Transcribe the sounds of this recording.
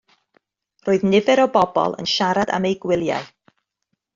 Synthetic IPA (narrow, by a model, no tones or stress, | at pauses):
roːɨðnɪvɛɾɔbɔbɔ̰lˠə̰nʃaɾada̰mejɡwɪlˠja̰ɨ